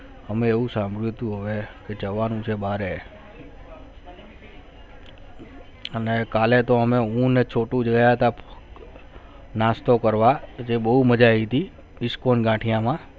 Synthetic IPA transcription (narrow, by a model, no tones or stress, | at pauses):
əmeeʋũsãmbʱɭjut̪ũɦəʋeked͡ʒəʋanũt͡ʃʰebaɾe | ənekalet̪oəmeũnet͡ʃʰoʈũd͡ʒɡajat̪ap | nast̪okəɾʋad͡ʒebəɦuməd͡ʒait̪i | ɪskonɡãʈʰijãmã